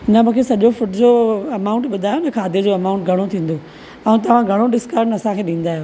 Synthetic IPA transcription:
nɐmũːkʰesɐʄofʊʈd͡ʑoɐmaːʊ̃ɳʈɓʊd̪ʱaːjonɐkʰaːd̪ʱed͡ʑoɐmaːʊ̃ɳʈɡʱɐɽ̃ot̪ʰĩːn̆d̪o | ɐũt̪̬ɐʋ̤ãɡʱɐɽ̃oɖɪskəɾnɐsãkʰeːɗĩːn̆d̪aːɦjoː

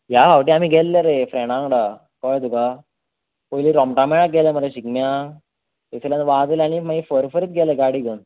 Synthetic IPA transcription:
jabaʋʈiːam̤iːɡʱɛlːeɾefɾɛɽãŋɽa | kɔjd̪uka | pojliɾɔmʈamɛɽak̚ɡʱɛleməɾeɕikmja | eselãnʋad͡z̪elañimaifəɾfəɾit̪ɡɛleɡaɽiɡən

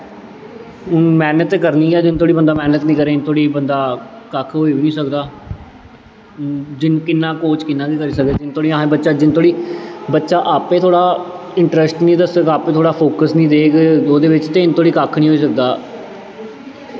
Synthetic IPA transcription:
ʊnmɛːnət̪ːkəɾniːɛːd͡ʒɪnt̪ʰoːɽiːbənd̪aːmɛːnət̪nĩːkəɾeːɪnt̪ʰoːɽiːbənd̪aːkəkʰɦoːiːbiːnĩːsəkd̪aː | d͡ʒɪnkɪnːãːkoːt͡ʃkɪnːãːkiːkəɾiːsəkd̪eːd͡ʒɪnt̪ʰoːɽiːãːẽbətːʃaːd͡ʒɪnt̪ʰoːɽiːbətːʃaːʔaːpẽːt̪ʰoːɽaː | ɪɳʈɾɛsʈnĩːd̪əsəɡaːpeːt̪ʰoːɽaːpʰoːkəsnĩːd̪eːkoːd̪eːʋɪt͡ʃt̪eːɪnt̪ʰoːɽiːkakʰnĩːɦoːiːsək̚d̪aː

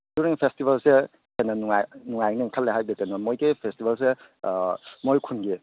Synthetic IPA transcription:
d̥uɾiŋpʰestibɐlse | kʰenɐnuŋajnuŋajniŋkʰɐleɦajdetenɔmojɡipʰestibɐls̬e | mojkʰunɡi

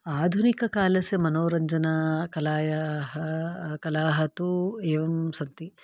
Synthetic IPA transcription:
aːd̪ʱunikɐkaːlɐsemɐnoːɾɐɲd͡ʒɐnakɐlaːjɐɦɐkɐlaːɦɐt̪ueːʋɐmsɐnt̪i

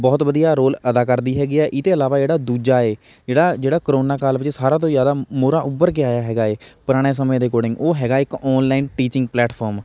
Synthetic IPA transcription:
bɔːt̪ʋəd̪ijaːɾoːləd̪aːkəɾd̪iːɦɛːɡɪɛːʔɪt̪eːəlaːʋaːd͡ʒeːɽaːd̪uːd͡ʒaːeː | d͡ʒeːɽaːd͡ʒeːɽaːkəɾoːnaːkaːlʋɪd͡ʒsaːɾãːt̪̬õːzjaːd̪aːmoːɾaːʔʊbəɾk̬ɪaːjaːɦɛːɡaːeːpʊɾaːɽ̃eːs̬əm̃ːd̪eːkoːɽɪ̃ŋɡoːɦɛːɡaːɪkɔːnlaːɪnʈiːt͡ʃɪŋɡ̚plɛːʈpʰɔːɾm

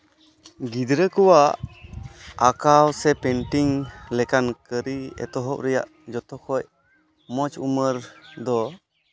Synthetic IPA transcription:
ɡid̪ɾəkuwaʔ | akawsɛpɛɳʈiŋlɛkankəɾiɛ̰t̪ɔɦɔp̚ɾɛja̰ʔ | d͡ʒɔt̪ɔkʰɔc̚ | mɔt͡ʃuməɾd̪ɔ

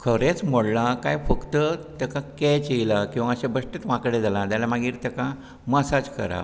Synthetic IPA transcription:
kʰəɾet͡sm̤oɽlakajfəkt̪ət̪ɛkakɛt͡ɕeilakĩw̃ʋaəɕabəʂʈet̪ʋãkɽed͡zʱalãd̪jalamaɡiːɾt̪ɛka | məsad͡ʑkə̰ɾa̰

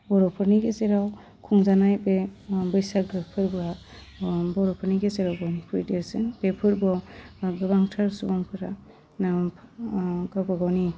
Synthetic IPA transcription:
bɔɾɔpʰɯɾniɡezeɾaw | kʰuŋzanajbebɯjsaɡɯpʰɯɾba | bɔɾɔpʰɯɾniɡezeɾawɡɔwnipʰuɾideɾsɯnbepʰɯɾbaɡɯbaŋtʰaɾsubaŋpʰɯɾa | na | ɡabaɡawni

